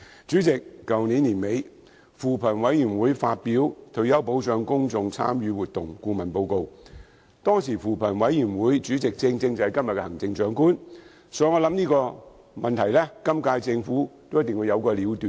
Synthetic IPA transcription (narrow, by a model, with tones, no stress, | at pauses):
t͡ʃyː˨˥t͡sɪ˨k̚ːɐ˨wniː˨˥nliː˨˩nme˨˧j | fuː˨pʰɐ˨˩nwɐ˨˥jy˨˩nwuː˨˥jfaː˧t̚piː˨˥wt̪ʰɵ˨˩jɐ˨˥wpo˨˥wt͡ʃœː˨˧ŋkʊ˥ŋt͡sʊ˨˧ŋt͡sʰa̰ː˥mjyː˨˧wuː˨t̪̚ʊ˨ŋkuː˧mɐ˨˩npo˧wko˧w | t̪ɔː˥ŋsiː˨˩fuː˨˩pʰɐ˨˩nwɐ˨˥jyː˨˩nwuː˨˥jt͡syː˨˥t͡sɪ˨k̚t͡sɪ˧ŋt͡sɪ˧ŋt͡sɐ˨hɐ˨jkɐ˥mjɐ˨t̚kɛː˧hɐ˨˩ŋt͡sɪ˧ŋt͡ʃœː˨˥ŋkuː˥n | sɔː˨˥jŋɔː˨˧lɐ˨˥mniː˥kɔː˧ | mɐ˨˩nt̪ʰɐ˨˩jlɛ˥kɐ˥mkaː˧jt͡sɪ˧ŋfuː˨˥t̪o˥wjɐ˥t̪ːɪ˨ŋwu˨˧jɐ˨˧wkɔː˧liː˨˥wt̪yː˨n